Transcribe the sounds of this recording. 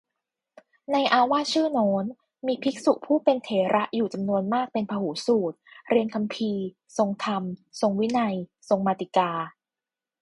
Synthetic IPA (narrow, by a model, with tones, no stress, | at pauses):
na˧jʔaː˧waː˥t̚t͡ɕʰɯː˥˩noː˦˥n | miː˧pʰi˦˥k̚su˨˩k̚pʰuː˥˩pe˧nt̪ʰeː˩˦ɾʔa˦˥ʔjuː˨˩t͡ɕa˧mnu˧ənmaː˥˩k̚pe˧npʰaː˧huː˩˦suː˨˩t̪̚ɾi˧ənkʰa˧mpʰiː˧ | so˧ŋt̪ʰa˧mso˧ŋwi˦˥na˧jso˧ŋmaː˧t̪i˨˩kaː˧